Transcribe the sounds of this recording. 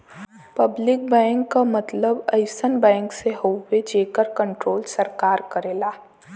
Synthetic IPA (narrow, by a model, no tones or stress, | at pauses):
pəblɪk̚bɛ̃ːŋkːamɐt̪ləbəɪsənbɛ̃ːŋkseɦoːed͡ʒeːkəɾkə̃ɳʈɾoːlsəɾkaːɾkəɾeːlaː